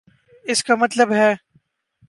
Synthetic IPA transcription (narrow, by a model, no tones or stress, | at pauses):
ɪskamɐt̪ləbɦɛː